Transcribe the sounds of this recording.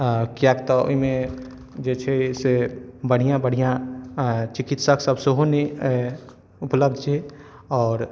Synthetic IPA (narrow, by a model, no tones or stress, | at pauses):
kjakt̪ɔo̰ɦimẽ | d͡ʒet͡ʃʰɛsebəɽ̤ijãbəɽ̤ijã | t͡ʃikit̪səksəbsoɦone | upləb̚d̪ʱt͡ʃʰɛ | ɔːɾ